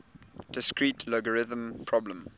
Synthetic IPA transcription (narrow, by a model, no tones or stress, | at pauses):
d̥ɪskɹiːtʰlɔɡəɹɪðə̃mpʰɹɔblə̃m